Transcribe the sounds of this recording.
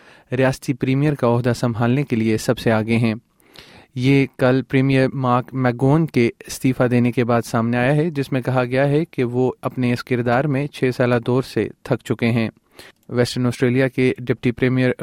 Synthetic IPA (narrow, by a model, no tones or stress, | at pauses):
ɾijaːst̪ipɾiːmijəɾkaɔːɦd̪asɐ̃mbʱaːlnekeliesɐbseaːɡɐeɦɛ̃ː | jeːkɐlpɾiːmijəɾmaːkmɛːɡoːnkeɪst̪iːfad̪eːnekebaːd̪saːmneaːjaɦɛd͡ʒɪsmẽkɐɦaɡɐjaɦɛkeʋoɐpneɪskɪɾd̪aːɾmẽt͡ʃʰeːsaːlad̪ɔːɾsḛt̪ʰɐkt͡ʃʊkeɦɛ̃ː | ʋɛːsʈəɾnɔːsʈɾeːlijakeɖɪp̚ʈipɾiːmijəɾ